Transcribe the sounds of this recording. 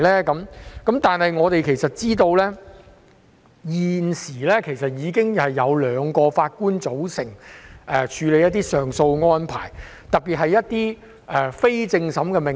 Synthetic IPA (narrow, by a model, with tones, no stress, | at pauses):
lɛː˥kɐ˨˥mkɐ˨˥mt̪aː˨nhɐ˨jŋɔː˨˧t̪e˨jkʰe˨˩jsɐ˨t̚t͡siː˥t̪o˧wlɛː˥ | jiː˨nsiː˨˩lɛː˥kʰe˨˩jsɐ˨t̚jiː˨˧kɪ˥ŋhɐ˨jːɐ˨˧wlœː˨˥ŋkɔː˧faː˧t̚kuː˥nt͡so˨˥wsɪ˨˩ŋɛː˨˩t͡ʃʰyː˨˧le˨˧jɐ˥t̪ːiː˥sœː˨˩ŋso˧wŋɔː˥npʰa̰ː˨˩j | t̪ɐ˨˩t̚piː˨t̚ɦɐ˨jːɐ˥t̚t̪iː˥ | ʔɛː˨fe˥jt͡sɪ˧ŋsɐ˨˥mkɛː˧mɪ˨